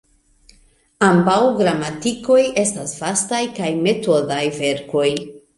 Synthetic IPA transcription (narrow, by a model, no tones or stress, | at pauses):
ambawɡɾamatiko̞je̞stasv̥astajkajme̞to̞dajve̞ɾko̞j